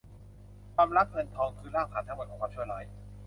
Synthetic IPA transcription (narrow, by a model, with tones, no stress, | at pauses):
kʰwaː˧mɾa˦˥p̚ŋɤ˧nt̪ʰɔː˧ŋkʰɯː˧˩ɾaː˥˩wpʰaː˨˩t̪a˦˥bo˨˩t̪̚kʰːkʰaː˧˦t͡ɕʰu˥˩la˦˥˩j